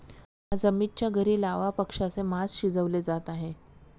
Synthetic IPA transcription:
ɦad͡zəmiɾ̚t͡ɕjaɡəɾiːlaʋapəkʂasemasɕid͡zəʋled͡zat̪aɦe

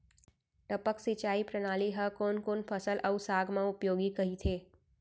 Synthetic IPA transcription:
ʈəpəksit͡ʃaːipɾənaːliɦəkoːnkoːnpʰəsəlʔɐsaːɡʱmãʊpjoːɡikɐɦit̪ʰeː

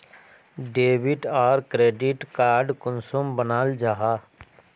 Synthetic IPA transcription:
ɖeːʋɪʈaːɾkɾeːɖɪʈkaːɾɖkʊnsʊmbənaːld͡ʒaːɦaː

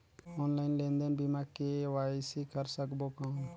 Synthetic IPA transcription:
oːnlaːɪnlẽːnd̪ənbimakeʋaːsikəɾsəkbokãː

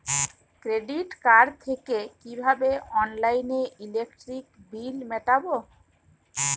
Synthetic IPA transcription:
kɾeɖiʈkaɾɖt̪ʰekekibʱabeɔnlajneʔilek̚ʈɾikbilmɛʈabo

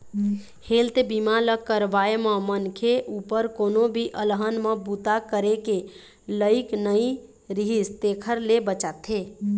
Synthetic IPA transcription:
heːlt̪ebimaləkːəɾʋaːemə̃mənkʰeʔuːpəɾkoːnõbʱiʔələɦənmə̃but̪akəɾeke | ləɪknəi | ɾɪɦist̪eːkʰəɾlebət͡ʃaːt̪ʰɦeː

